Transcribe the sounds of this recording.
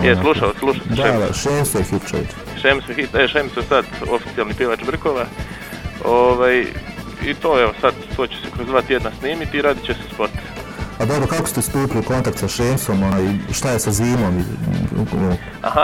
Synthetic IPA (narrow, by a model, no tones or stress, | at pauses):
jesalˠuʃalossluʃassed̪aea̰ʃeːmsojexipt͡ʃoʋḭt͡ʃ | ʃemsoexip̪eʃemsojsad̪ofi̥t̪sijelnipjeʋat͡ʃbr̩koʋa | oʋaj | it̪oːeʋosad̪t̪oːt͡ɕe̥sekɾozd̪ʋaːt̪jed̪nasniːmit̪iɾaːd̪it͡ɕesespot̪ | pad̪o̞bɾokakost̪est̪uːpiliko̞nt̪akt̪saʃeːmso̞monaːjʃt̪ajesaziːmo̞mi | a̰ha